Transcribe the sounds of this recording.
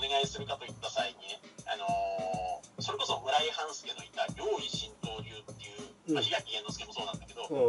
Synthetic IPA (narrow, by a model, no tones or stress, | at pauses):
one̞ɡaisɨɾɯ̟kat̪o̞it̪ːasaiɲineano̞ | so̞ɾe̞ko̞so̞mɯ̟ɾaihãɰ̃sɨ̥kenoit̪aɾʲo̞ːiɕĩnt̪o̞ːɾʲɨːt̪ːe̞jɯːaɕiɡakʲiẽnːosɨ̥kemo̞so̞ːnãnd̪ake̞d̪o̞